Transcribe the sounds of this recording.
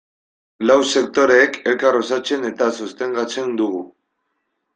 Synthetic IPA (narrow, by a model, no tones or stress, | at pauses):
lawse̞k̚t̪o̞ɾe̞ːke̞lkarosat͡se̞ne̞t̪asust̪e̞ŋɡat͡se̞nd̪uɣu